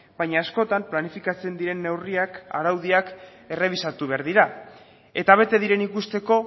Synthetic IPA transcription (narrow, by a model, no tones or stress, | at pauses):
baɲaːsko̞t̪amplanifikat͡se̞nd̪iɾe̞nːe̞wriaka̰ɾawð̞iak | e̞re̞β̞isat̪uβ̞e̞aɾðiɾa | e̞t̪aβ̞e̞t̪e̞ðiɾe̞nikust̪e̞ko̞